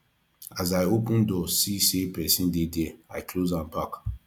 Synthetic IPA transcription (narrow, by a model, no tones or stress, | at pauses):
azaɪopũndɔsisepɛsĩndedɛaɪklozãmbak